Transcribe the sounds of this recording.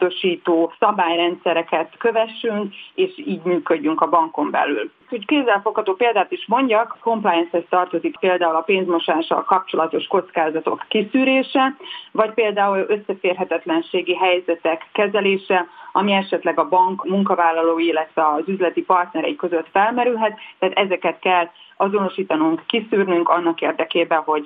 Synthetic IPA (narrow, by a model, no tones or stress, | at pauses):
d̪o̞ʃiːt̪oːsɒbaːjrɛnt̪sɛɾɛkɛt̪køvɛʃyŋkeːʃiːɟmyːkø̞ɟːyŋkɒbɒŋko̞mbɛ̰ly̰l | hockeːzːɛlfo̞khɒt̪oːpeːld̪aːt̪iʃmo̞ɲɟɒkːo̞mplajɛnshɛst̪ɒrt̪o̞zikpeːld̪aːulɒpeːnzmo̞ʃaːʃɒ̰lkɒp̚t͡ʃo̞lɒt̪o̞ʃko̞t̪skaːzɒt̪o̞̰kːisyːɾeːʃɛvɒcpeːld̪aːulø̞sːɛfeːrɦɛt̪ɛt̪lɛnʃeːɡiɦɛjzɛt̪ɛkːɛzɛleːʃɛɒmiɛʃɛt̪lɛɡɒbɒŋkmuŋkɒvaːlːɒloːilːɛt̪vɛɒzyzlɛt̪ipɒrt̪nɛɾɛ̰ikø̞zø̞t̪fɛlmɛɾylɦɛt̪ːɛːt̪ɛzɛkɛt̪kɛlːɒzo̞no̞ʃiːt̪ɒnuŋkːisyːrnyŋkɒnːɒkeːrd̪ɛkeːbɛnɦo̞ɟ